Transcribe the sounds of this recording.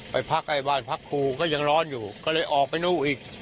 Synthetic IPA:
pa˧jpʰa˦˥k̚ʔa˧˩jbaː˧˩npʰa˦˥kʰːuː˧kɔː˥˩ja˧ŋɾɔː˦˥njuː˨˩kɔː˥˩lɤ˧jʔɔː˨˩k̚pa˧jnuː˥˩ʔiː˨˩k̚

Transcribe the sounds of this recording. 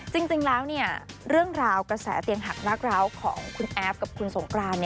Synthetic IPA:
t͡ɕi˧ŋt͡ɕi˧ŋlɛː˦˥wni˥˩ɐɾɯ˥˩əŋɾaː˧wkɾa˧sɛ̰ː˩˦t̪i˧əŋɦa˨˩k̚laː˥˩k̚ɾaː˧˥wkʰɔ̰ː˩˦ŋkʰu˧nʔɛː˦˥p̚ka˨˩p̚kʰu˧nso˩˦ŋkɾaː˧nːi˥˩

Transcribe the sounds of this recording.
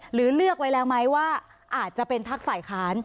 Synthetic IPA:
ɾɯː˩˦lɯ˥˩ək̚wa˦jlɛː˦˥wma˦˥jwaː˥˩ | ʔaː˨˩t̪̚t͡ɕa˨˩pe˧nt̪ʰa˦˥k̚faː˨˩jkʰaː˦˥n

